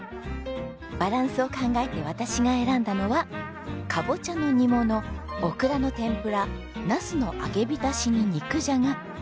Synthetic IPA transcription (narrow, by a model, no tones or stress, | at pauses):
b̥aɾãɰ̃sɨo̞kãŋɡaet̪e̞βat̪aɕiɡae̞ɾãnd̪ano̞βa | kʰabo̞t͡ɕano̞ɲ̟imo̞no̞ːkɯ̟ɾano̞t̪ẽ̞mpɯ̟ɾa | nasɨno̞ʔa̰ɡe̞bʲit̪aɕiɲ̟iɲ̟ikɯ̟ʑaŋa